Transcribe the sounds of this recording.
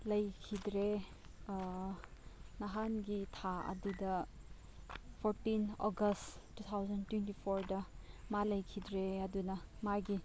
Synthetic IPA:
lɐjkʰidɾe | nɐɦanɡitʰaɐ̰dudɐ | pʰoɾtinɔɡɐsttːut̪ʰawzɐntwentipʰoɾdɐmalɐjkʰidɾeɐdunɐmaɡi

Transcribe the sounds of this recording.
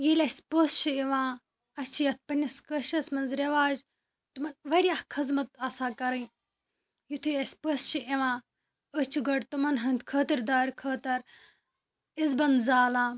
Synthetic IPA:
jiːlʲɐsʲpəːst͡ʃʰiiʋãː | ɐst͡ʃʰijɐt̪̚ʰpɐnʲɐskəʃɐsmɐnzɾɐʋaːd͡ʒ | t̪umɐnʋɐɾʲaːhkʰɐzmɐt̪ɐsaːkɐɾɐj | jut̪ʰujɐsʲpəst͡ʃʰiʔiʋãː | əst͡ʃʰuɡɐɽt̪umɐnɦɐnt̪ʲkʰəːt̪iɾd̪aːɾʲkʰəːt̪ɐɾ | izbɐnd̪zaːlãː

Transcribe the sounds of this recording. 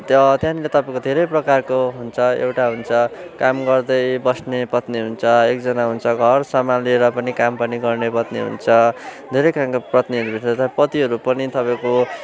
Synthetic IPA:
t̪ʌt̪jãnlet̪ʌpãẽkod̪ʱeɾʌjprʌkarkoɦunt͡sʰʌḛwʈaɦunt͡sʰʌkamɡʌrd̪ʌjbʌsnepʌt̪niɦunt͡sʰʌek̚d͡zʌnaɦunt͡sʰʌɡʱʌrsamalieɾʌpʌnikampʌniɡʌrnepʌt̪niɦṵnt͡sʰʌd̪ʱeɾʌjkamkoprʌt̪niʌɾubʱiʈʌt̪ʌpʌt̪iɦʌɾupʌnit̪ʌpaẽko

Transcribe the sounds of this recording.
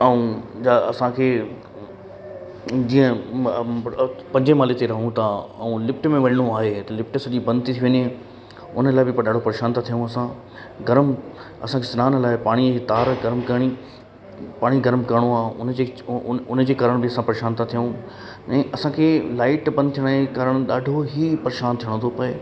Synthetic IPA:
ɐũd͡ʑaɐsãkʰeː | d͡ʑiːə̃ | pɐ̃ɲd͡ʑemaːlet̪eɾɐɦũt̪ʰaɐũlɪpʈmẽʋɐɗɽ̃oaːɦet̪ɐlɪpʈsɐʄibɐ̃nd̪ɪt̪it̪ʰiʋɐɲe | ʊnəlaːɪbɪpɐɗaːɖ̤ʱopɐɾeːʃaːnt̪at̪ʰijũɐsã | ɡɐɾm | ɐsãkʰesɪnaːnlaːɪpaːɽ̃it̪aːɾɡɐɾmkɐɽ̃i | paːɽ̃iɡɐɾmkɐɾɽ̃oaːɦʊnd͡ʑeʊnd͡ʑeːkaːɾəɽ̃bɪɐsãpɐɾeʃaːnt̪ʰat̪ʰijũ | ɛ̃ːʔɐsãkʰeːlaːɪʈbɐ̃nd̪̚t̪ʰijəɽ̃kaːɾəɽ̃ɗaːɖʱoɦipɐɾeʃaːnt̪ʰijəɽ̃õt̪ʰopɐeː

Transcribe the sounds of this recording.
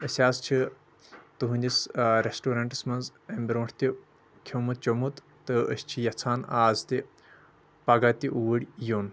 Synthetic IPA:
əsʲaːst͡ʃʰi | t̪uɦũnʲd̪isɾesʈoːɾɐɳʈɨ̥smɐnzɐmʲbɾõːʈʰt̪ʲi | kʲʰomut̪̚t͡ʃomut̪ | t̪ɨəsʲt͡ʃʰijɐt͡sʰaːnaːzt̪i | pɐɡat̪iʔuʋəɽʲjoːn

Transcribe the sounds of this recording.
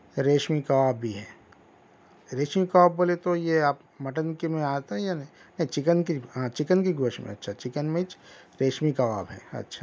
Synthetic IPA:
ɾeːʃmikaaːbːʱiɦɛː | ɾeːʃmikaʋaːbboːlet̪ojeaːp | mɐʈənkemẽaːt̪aɦɛ̃janɐ̃ĩnɐ̃ɦĩt͡ʃɪkənkiɦãːt͡ʃɪkənkiɡoːʃmḛ̃ɐtːʃʰat͡ʃɪkənmẽt͡ʃ | ɾeːʃmikaʋa̰ːbɦɛ̰ːɐ̰tːʃʰaː

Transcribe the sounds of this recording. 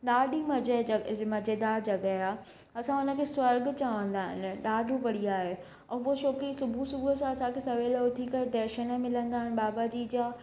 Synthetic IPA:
ɗaːɖʱimɐd͡ʑmɐd͡ʑed̪aːd͡ʑɐɡəaː | ɐsãʊnə̆kʰeːswɐɾɡt͡ɕɐʋə̃nd̪aːɦɪ̰nɪ̆ɗaːɖʱũʋɐɽ̤iaːɦe | ɛ̃ːɦoʃoːkisʊbʱusʊbʱuəsãɐsãkʰesɐʋeːlʊt̪ʰikɐed̪ɛːɾʃənəmɪlə̃nd̪aːɦɪnɪ̆ɓaːbad͡ʑiːd͡ʑaː

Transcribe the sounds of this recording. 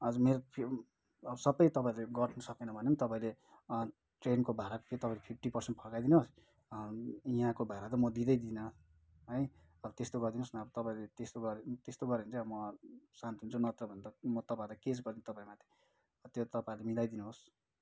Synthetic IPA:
ʌd͡zʌmeɾopʰ | ʌbʌsʌbʌjt̪ʌpaĩleɡʌʈʰnʌsʌkenʌbʱʌnemnt̪ʌpãĩle | ʈrenkobʱaɾako̥pʰet̪ʌpaĩlepʰip̚ʰʈipʌrsenʈ̚pʰʌkajd̪inos | iɦãkobʱaɾat̪̬ʌmʌd̪id̪ʌjd̪inʌ | ɦʌj | ʌbʌt̪est̪oɡʌrd̪inosnʌʌbʌt̪ʌpaĩlet̪est̪oɡʌɾt̪est̪oɡʌɾeɦunt͡sʌʌbmʌsant̪iɦunt͡sʰunʌt̪rʌbʱʌnd̪ʌmʌt̪ʌpaĩlakesɡʌrd̪int̪ʌpãĩmat̪ʰe̥ | ʌt̪jot̪ʌpaĩlemilajd̪inuɦos

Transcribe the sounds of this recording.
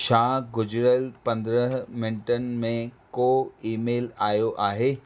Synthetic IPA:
ʃãːɡʊd͡ʑɾəlpɐ̃nd̪ɾəɦmɪnʈənɪ̆mẽkoːiːmeːlaːjoʔaːɦeː

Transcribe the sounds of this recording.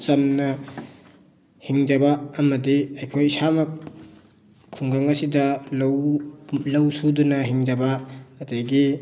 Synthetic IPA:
t͡ʃɐmnɐ | hiŋd͡ʒɐbɐːmɐdiɐjkʰojisamɐ | kʰuŋɡaŋɐsidɐlɐwlɐwsudunɐɦiŋd͡ʒɐbɐːdeɡi

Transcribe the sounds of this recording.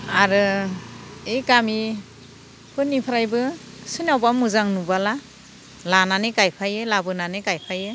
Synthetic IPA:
aɾɯ | eɡami | pʰɯnːipʰɯɾajbɯ | sɯnawbamuzaŋnubala | lananekajpʰajɯlabɯnanekajpʰajɯ

